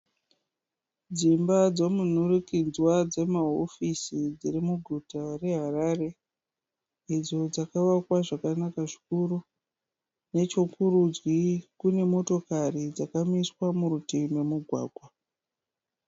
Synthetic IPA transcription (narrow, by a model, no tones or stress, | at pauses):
d͡zimbad͡zomun̤urikind͡zwad͡ze̞maɦo̞fisid͡zirimuɡʱutare̞ɦarare̞ | id͡zo̞d͡zakaʋakwaʐakanakaʐikuɾu | ne̞t͡ʃokurud͡zwikune̞mo̞to̞karid͡zakamiswamuɾutime̞muɡʱwa̰ːɡʱwa